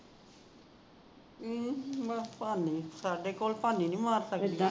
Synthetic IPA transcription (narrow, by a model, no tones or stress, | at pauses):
bəpaːniːsaːɖekoːlpaːninĩːmaːɾsəki